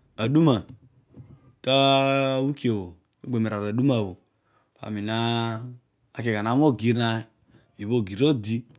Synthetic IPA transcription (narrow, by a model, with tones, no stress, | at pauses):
a˨du˦ma˨ | ka˦wu˦ki˦e˨wo˨ | o˦ɡ͡be˨me˨ɾa˨ɾa˨du˦ma˨βo˨ | pa̰˨mi˨na˦ | a˨˦ke˨ɡa˨na˨˦m˦o˦˨ɡi˨ɾna˨ | i˨βo˦˨ɡi˨ɾo˦di˦